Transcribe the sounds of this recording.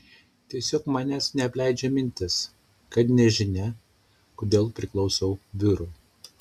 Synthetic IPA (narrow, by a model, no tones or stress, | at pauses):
t̪ʲiɛsʲoːkmɑnʲɛsnʲɛɐpʲlʲæɪd͡ʒʲɛmʲɪnʲt̪ʲɪs | kɐt̪nʲɛʒʲɪnʲɛ | kod̪ʲeːlˠpʲɾʲɪklˠɒʊsɐʊʋʲɪɾuː